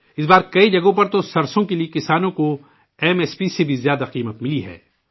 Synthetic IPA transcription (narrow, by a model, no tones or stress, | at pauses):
ɪsbaːɾkɐid͡ʒɐɡõp̬ɐɾt̪osɐɾsõkeliekɪsaːnõko | ɛːmɛːspisebʱizjaːd̪aqiːmət̪mɪliɦɛ̰ː